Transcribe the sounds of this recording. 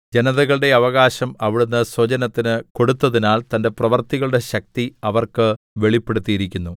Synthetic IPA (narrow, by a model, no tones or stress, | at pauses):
d͡ʑenɐðɐɣɐɭɨɽe̞ɐʋɐɣaːɕɐmɐʋiɽunːɐswɐd͡ʑɐnɐt̪ːinɨko̞ɽut̪ːɐðinaːlt̪ɐnde̞prɐʋɐrt̪iɣɐɭɨɽe̞ɕɐk̚t̪iɐʋɐrkɨ | ʋeɭipːe̞ɽut̪ːijiɾikʲːunːu